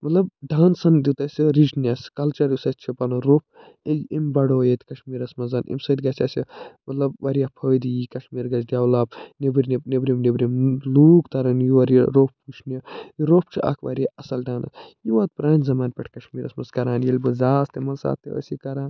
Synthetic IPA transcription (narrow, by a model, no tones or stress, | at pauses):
mɐt̪lɐbɖaːnsɐnd̪ut̪ɐsʲiɾid͡ʒnʲɐskɐlt͡ʃɐɾjusɐtt͡ʃʰipɐnɐɾoːp̚ʰ | iimbɐɽoːjet̪ʲkɐʃmiːɾɐsmɐzɐnʔḭmsɐːd̪ʲɡɐsʲɐsimɐt̪lɐbʋɐɾijɐpʰoːd̪ijikɐʃmiːɾɡɐd͡ʒd̪ʲjaːwlaːbnebiɾʲninebɾʲimnebɾʲimluːɡt̪ɐɾɐnjiʋɐɾijɐɾoːppːut͡ʃʰniɐiɾoːpʰt͡ʃʰiʔɐ̰kʰʋɐɾiɐɐsɐlɖaːnɐ̰sjiʋɐːt̪̚pɾaːnzɐmaːnpʲeʈʰkɐʃmiːɾɐsmɐskɐɾaːnjelʲbɐzaːst̪emɐsa̰ːt̪ːeɐ̰sikɐɾãːn